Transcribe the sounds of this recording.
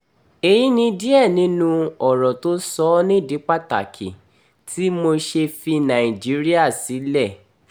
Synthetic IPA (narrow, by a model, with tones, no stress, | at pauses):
e˨ji˦nĩ˧di˦ɛ˦˨nĩ˦nũ˧ɔ˨ɾɔ˨to˦sɔ˦nĩ˦˨di˨˦k͡pa˦ta̰˨kʰḭ˨ | ti˦mo˧ʃe˧fi˧nã˨i˨d͡ʒi˦ɾi˦a˦˨si˨˦lɛ˦˨